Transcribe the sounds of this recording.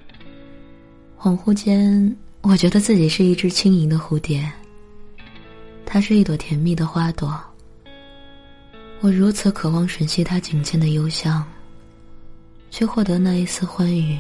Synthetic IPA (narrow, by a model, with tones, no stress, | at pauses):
xwɑ˨˩ŋxu˥˧t͡ɕjɛ˥nwɔ˨˩t͡ɕɥɛ˧˥d̪ə˧t͡sɹ̩˥˩t͡ɕi˨˩ʂɻ̩˥˧i˥˩ʈ͡ʂɻ̩˥t͡ɕʰi˥ŋi˧˥ŋd̪ə˧xu˧˥t̪jɛ˨˩n | t̪ʰa˥ʂɻ̩˥˧i˥˩wɔ˨˩t̪ʰjɛ˧˥nmi˥˩d̪ə˩xwa˥t̪wɔ˨˩˦ | wɔ˨˩ɻu˧˥t͡sʰɹ̩˧˥kʰɤ˨˩wɑ˥ŋʂwə˧˥nɕi˥t̪ʰa˥t͡ɕi˨˩ŋt͡ɕjɛ˥˩nd̪ə˩jo˥ʊɕjɑ˥˩ŋ | t͡ɕʰɛ˥˧xwɔ˥˩t̪ɤ˧˥na˥˩i˧˥t͡sʰɹ̩˥˧xwa˥ny˨˩˦